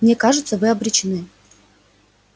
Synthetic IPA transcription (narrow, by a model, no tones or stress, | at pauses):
mnʲekaʐɨt̪səvɨɐbɾʲɪt͡ɕɪnɨ